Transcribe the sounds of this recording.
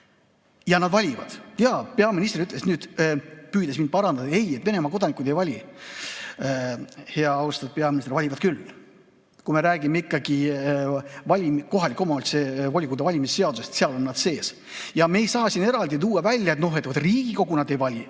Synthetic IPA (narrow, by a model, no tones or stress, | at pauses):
jɑnɑd̪̥vɑlʲivɑ̰d̪̥jɑːpe̞ɑminist̪eɾyt̪ːle̞snyːd̪̥pyːd̪esmind̪̥̚pɑɾɑnɑd̪ɑe̞je̞t̪ve̞ne̞mɑko̞d̪ɑnikˑud̪̥e̞jvɑlʲi | he̞ɑɑwst̪ɑt̪̚pe̞ɑminist̪ervɑlʲivɑd̪̥kylː | kume̞ɾæːɡ̥imeikːɑɡ̥i | vɑlʲimkːo̞ɦɑlikːˑo̞mɑylt̪sevolʲikːud̪evɑlʲimisse̞ɑd̪u̥sest̪seɑlo̞nːɑd̪se̞ːs | jɑme̞ːjsɑːsine̞ɾɑld̪it̪̬uːɑvælʲːjɑet̪no̞ɦe̞t̪ːvot̪riːɡ̥iko̞ɡ̥unɑd̪e̞jvɑlʲi